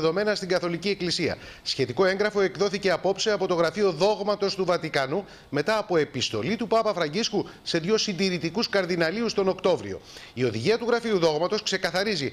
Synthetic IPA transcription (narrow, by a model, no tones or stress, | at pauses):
ðo̞me̞nɐst̪iɡɐθo̞licie̞klisiɐ̰ | sçe̞t̪iko̞e̞ŋɡɾɐfo̞e̞kðo̞θice̞ɐpo̞pseɐpo̞t̪o̞ɣɾɐfio̞ðo̞ɣmɐt̪o̞st̪uvɐt̪ikɐnu | me̞t̪ɐːpo̞e̞pist̪o̞̰lit̪upɐpɐfɾɐɲɟiskuse̞ðʝo̞sind̪iɾit̪ikuskɐɾðinɐliust̪o̞no̞kt̪o̞vɾio̞̰io̞ðiʝiɐt̪uɣɾɐfiuðo̞ɣmɐt̪o̞skse̞kɐθɐɾizi